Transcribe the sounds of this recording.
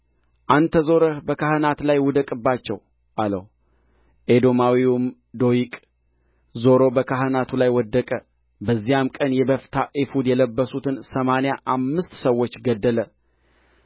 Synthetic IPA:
ʔant̪ʰəzo̞ɾəbəkʰahɨnat̪lajwɔd̪əkʼɨbːat͡ʃːɛ̰w | ʔalə̰h | ʔed̪o̞mawium | d̪o̞jikʼ | zo̞ɾo̞bəkʰahɨnat̪ʰulajwɔd̪ːəkʼə | bəzːijamkʼənjɛbəft̪ʰaʔefud̪jɛləbːəsut̪ʰɨnsəmanejaʔamːɨst̪səwːot͡ʃːɡəd̪ːələ

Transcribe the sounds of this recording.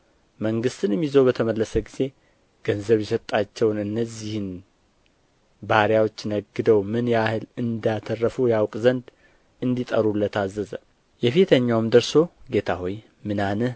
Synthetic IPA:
məŋɡɨst̪ɨnmjizəwβət̪ʰəməlːəsəɡize̞ | ɡ̥ənzəβjɛsət̪ʼːat͡ʃːɛwnɨnːəzːihɨn | baɾjawot͡ʃːnəɡːɨd̪əwmɨnjahɨlɨnd̪at̪ʰərːəfujawkʼzənd̪ | ɨnd̪it̪ʼəɾulːət̪ʰazːəzə | jɛfit̪ʰəɲːawmd̪əɾso̞ɡe̞t̪ʰa̰hoj | mɨnanəh

